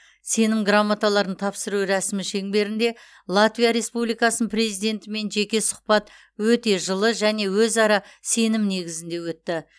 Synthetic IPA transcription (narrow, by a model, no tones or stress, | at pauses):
se̞nɪmɡramːat̪alˠɑɾənt̪ʰɑpsəɾuwɾæsɪmɪʃe̞ŋbe̞ɾɪnd̪e̞ | lˠat̪vʲijaɾe̞spublijkɑsənpre̞zijd̪e̞nt̪ɪme̞nʒe̞kʲe̞sʊ̥qpɑt̪ | wɵt̪e̞ʒəlˠəʒæne̞wɵzɑɾɑse̞nɪmne̞ɡʲɪzɪnd̪e̞wɵt̪ːɪ